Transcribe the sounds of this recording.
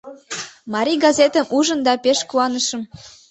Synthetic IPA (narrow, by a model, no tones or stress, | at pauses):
mɑɾʲiɡɑzet̪ə̆mʔuʒənd̪ɑpeʃkuɑnəʃə̆m